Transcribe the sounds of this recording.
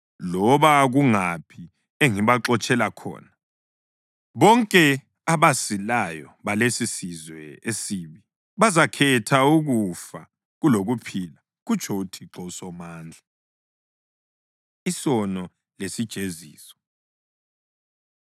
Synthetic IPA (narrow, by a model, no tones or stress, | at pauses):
lɔβaɣuŋapʰi | eŋiβaǁɔt͡ʃʼɛlakʰɔ̰ːna | βɔŋkʼɛ | aβasilajɔβalesisizwɛesiːβi | βazakʰɛtʰauɣufa̰ | ɣuloɣupʰila | ɣut͡ʃʰʼoutʰiǁɔusɔmaːnd͡ɮʱa | isɔnɔ | lesid̥ʒ̥ʱezḭːsɔ̥